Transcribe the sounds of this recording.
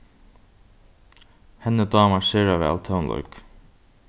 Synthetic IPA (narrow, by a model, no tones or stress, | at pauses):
hɛnəd̪ɑːmaɹseːɾaʋɛ̰ːlt̪ʰəwnlɔ̰jk